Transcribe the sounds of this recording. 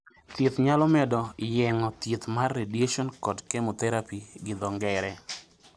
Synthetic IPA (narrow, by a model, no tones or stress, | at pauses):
t̪ɪt̪ɲalɔmɛdɔjɛŋɔt̪ɪt̪marːedeʃɔnkɔdkemot̪ɛɾapiɡɪd̪ɔŋɡɛɾɛ